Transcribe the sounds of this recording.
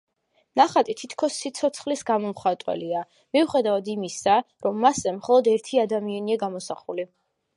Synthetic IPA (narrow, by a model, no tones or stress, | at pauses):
naχat̪ʼit̪ʰit̪ʰkʰɔsːit̪sʰɔt̪sʰχlisɡamɔmχat̪ʼwɛ̰lia | miuχɛd̪avad̪imisaɾɔmːasɛmχɔlˠɔd̪ɛɾt̪ʰiad̪amianiaɡamɔsaχuli